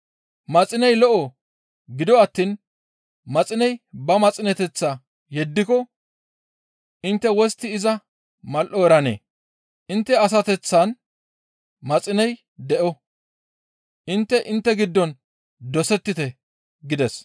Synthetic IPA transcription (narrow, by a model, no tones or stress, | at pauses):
mɐt͡sʼɪnɛjlɔʔɔ | ɡɪd̪ɔɐt̪ːiːn | mɐt͡sʼɪnɛjbɐmɐt͡sʼɪnɛt̪ɛt͡sːaː | jɛd̪ːɪkɔ | ʔɪnt̪ːɛwɔst̪ːɪːzɐ | mɐlʔɔɛɾɐnḛː | ʔɪnt̪ːɛɐs̬ɐt̪ɛt͡sːɐn | mɐt͡sʼɪnɛj | d̪ɛʔɔ | ʔɪnt̪ːɛʔɪnt̪ːɛɡɪd̪ːɔn | d̪ɔsɛt̪ːɪt̪ɛ | ɡɪd̪ɛs